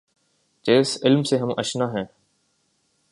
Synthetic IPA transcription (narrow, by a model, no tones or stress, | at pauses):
d͡ʒeːsɪlmseɦəmʔə̰ʃnaɦɛ̃ː